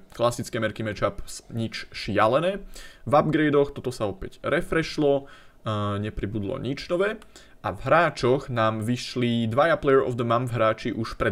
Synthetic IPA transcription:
klasit͡skɛːmɛɾkimɛt͡ʃapsɲit͡ʃʃɪalɛnɛːvab̚ɡɾɛjd̪ɔxt̪ɔt̪ɔsaɔpɛɟɾɛfɾɛʃlɔ | ɲɛpɾibud̪lɔ̰ɲit͡ʃnɔʋɛː | ʔavɦɾaːt͡ʃɔɣnaːmʋiʃlid̪ʋajaplɛjɛɹɔ̰vd̪əmamvɦɾaːt͡ʃiʔuʃpɾɛ

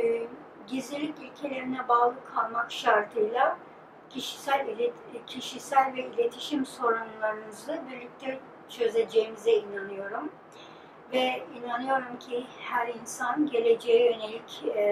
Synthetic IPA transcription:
ɟizlʲilʲicylʲcʰelʲe̞ɾinɛbaːlˠɯkʰalˠmakʃaɾt̪ʰɯjlˠa | cʰiʃi̥sælʲ | cʰiʃisælʲvɛilʲe̞t̪ʰi̥ʃimso̞ɾumlˠaɾɯnɯzɯbiɾlʲyc̚t̪ʰɛ | t͡ʃʰø̞zʲed͡ʒe̞jimizɛinanɯjo̞ɾum | vɛinanɯjo̞ɾumcʰihæɾinsanɟe̞lʲe̞d͡ʒejɛjø̞ne̞lʲic

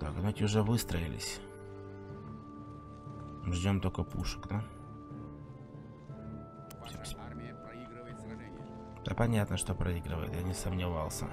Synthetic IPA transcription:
t̪aknatʲɪʊʐɛvɨst̪ɾəɪlʲɪ̰sʲ | mʐdʲomt̪okəpuʂə̥kd̪a | fʲ | d̪̥apɐnʲat̪nəʂt̪opɾʔɐiɡɾəvə̰jɪ̰t̪janʲɪsəmnʲɪvalˠsʲə̰

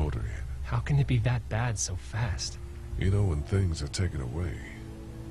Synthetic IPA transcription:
ɔɾə̰˞ɪ̰̃nhaʊkʰɨ̃nɨt̚b̥iðɨt̚b̥æd̥soʊfæst̚ | jʔɨ̰noʊwə̃nθɪ̃ŋzə˞tʰeɪkɨ̃nə̰weɪ

